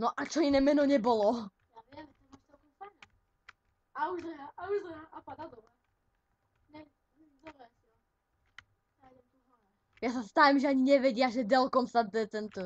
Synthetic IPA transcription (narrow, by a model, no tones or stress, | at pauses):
nɔʔat͡ʃɔinɛːmɛnɔɲɛbɔlɔ | javɪɛmt͡ʃɛmaʃt̪ɔbfana | auʒzɛɦaʔauʒzɛaʔapad̪ad̪ɔbɾɛ | nɛ | zɔɾɛsɔ | adɛmt̪uva | jasast̪ajɛmʒɛaɲiɲɛʋɛɟɪaʒɛd̪ɛlkɔmsad̪ɛt̪ɛnt̪u